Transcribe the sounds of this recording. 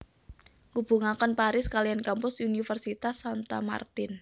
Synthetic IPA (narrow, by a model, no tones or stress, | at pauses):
ŋub̥uŋakɔnpaɾɪskaliankampʊsunifərsit̪asant̪a̰ma̰rt̪ɪn